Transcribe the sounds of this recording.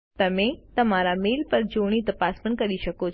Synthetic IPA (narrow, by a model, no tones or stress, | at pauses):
t̪əmet̪əmaɾamelpəɾd͡ʒoɽ̃it̪əpaspəɳkəɾiʃəko